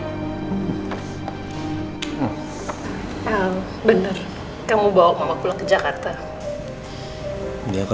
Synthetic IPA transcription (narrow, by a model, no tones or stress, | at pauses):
a | bənər | kamubawaʔ̚mamakulaŋkəd͡ʒakart̪a | ak